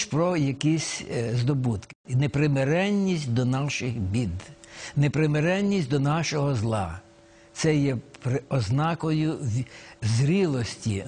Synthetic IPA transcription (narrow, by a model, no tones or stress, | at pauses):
ʃpɾɔjɐkʲisʲzd̪ɔbut̪kɪnepɾɪmeɾɛnʲːisʲtʲd̪ɔnɑʃɪxbʲid̪nepɾɪmeɾɛnʲːisʲtʲd̪ɔnɑʃɔɦɔzlˠɑ | t̪sɛjɛpɾɪɔznɑkɔjʊ | zɾʲilˠɔsʲtʲi